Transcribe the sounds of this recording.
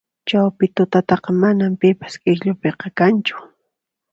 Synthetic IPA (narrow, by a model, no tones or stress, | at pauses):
t͡ʃawpɪt̪ʊt̪at̪ɑqɑmanampɪpḁskʼɪxʎʊpeqɑkant͡ʃʊ̥